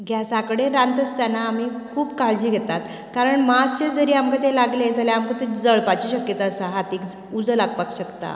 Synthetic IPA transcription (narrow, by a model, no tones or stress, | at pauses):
ɡʱjasakɽẽɾãnt̪əst̪anaːmiː | kʰuːpkaɭd͡ʑiːɡʱet̪at̪ | kaɾəɳmast͡ɕed͡zəɾiːamkat̪elaɡled͡zaljaamkat̪id͡zəɭpat͡ɕiːɕəkjət̪aəsaɦat̪ikd͡z | ud͡zəlaɡ̚pakɕəkt̪a̰